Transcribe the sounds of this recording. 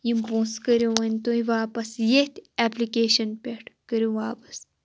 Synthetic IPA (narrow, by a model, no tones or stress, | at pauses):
jimbõːskəɾuʋɐnʲt̪oːiʋaːpɐsjet̪ʲæːplikeːʃɐnpʲeʈʰkəɾuʋaːpɐ̥s